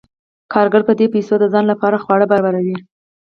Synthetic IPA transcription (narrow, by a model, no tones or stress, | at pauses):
kʰɑɾɡaɽpəd̪epejsod̪əzɑnlapɑɾaxwɑɽəbaɾɑbaɾawi